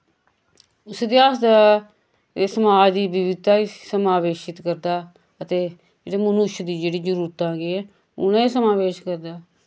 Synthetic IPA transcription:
ʊsd̪eːaːsd̪a | səmaːd͡ʒd̪iːbɪʋɪd̪aːiːsəmaːʋeːʃɪt̪kəɾd̪aː | ət̪eː | d͡ʒeːɽeːmənʊʃd̪iːd͡ʒeːɽiːd͡ʒəɾuːɾət̪ãːɡiːɛː | ʊ̰nãːiːsəmaːʋeːʃkəɾd̪aː

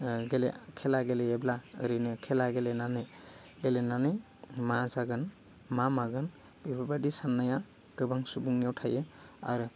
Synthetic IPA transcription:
ɡelekʰelaɡeleeblaɯɾɯnɯkʰɛlaɡelenanɯj | ɡelenanɯj | mazaɡɯn | mamaɡɯn | bibʱabadisanːaja | ɡ̥ɯbaŋsubuŋniawtʰajɯ | a̰ɾɯ

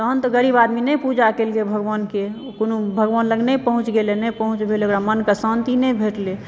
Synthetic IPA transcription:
t̪əɦənt̪əɡəɾibad̪minəjpud͡ʒakelkebʱəɡʋanke | konubʱəɡʋanləɡnəjpəɦũt͡ʃɡelenɛjpəɦũt͡ʃbʱeleokɾamənkasant̪inɛjbʱeʈle

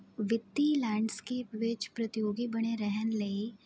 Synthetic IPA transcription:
ʋɪt̪ːilɛ̃ːɳɖskeːpʋɪt͡ʃpɾɐt̪ɪjoːɡibɐɽ̃eɾɛɦənle

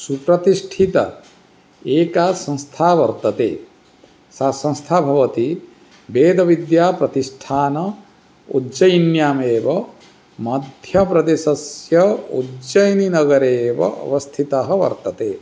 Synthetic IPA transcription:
supɾɐt̪isʈʰit̪ɐ̰ | eːkaːsɐ̃nst̪ʰaːʋɐɾt̪ɐt̪ḛː | sasɐ̃st̪ʰaːbʱɐʋɐt̪i | beːd̪ɐʋid̪jaːpɾɐt̪isʈʰaːnɐ | ṵd͡ʒɐjnjaːmeːʋɐ | mɐd̪ʱjɐpɾɐd̪esɐsjɐudd͡ʒɐjninɐɡɐɾeːʋɐ̰ʔɐ̰ʋɐst̪ʰit̪ɐɦɐʋɐ̰ɾt̪ɐt̪eː

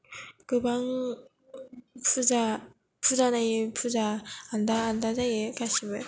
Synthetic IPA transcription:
kɯbaŋ | pud͡ʑa | pʰud͡ʑanapʰud͡ʑaːndaːnd̪ad͡ʑajekaɕimɯ

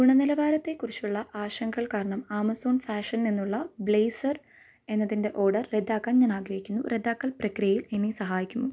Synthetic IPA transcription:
ɡuɳɐnilɐʋaːɾɐt̪ːe̞kːurit͡ɕːuɭːɐʔaːɕɐŋɡɐɭkaːɾɐɳɐmaːmɐsoːnfaːʂɐnninːuɭːɐbɭe̞ːsɐr | e̞nːɐðinde̞ʔo̞ːɖɐrːed̪ːaːkːaːmɲaːnaːɡɾɐhikʲːunːṵre̞d̪ːaːkːɐlprɐkrijɐjilenːisɐɦaːjikʲːumːu

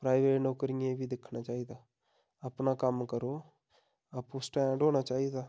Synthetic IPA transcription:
pɾaːɪʋeːʈnoːkəɾiːẽːbʱiːd̪ɪkʰnaːt͡ʃaːiːd̪aː | əpnaːkəmkəɾoː | əpusʈɛ̃ːɖoːnaːt͡ʃaːiːd̪aː

